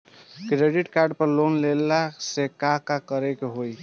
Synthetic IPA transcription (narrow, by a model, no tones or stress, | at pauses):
kɾeɖiʈkaɾɖpəɾlonlelasekakakəɾekeɦoj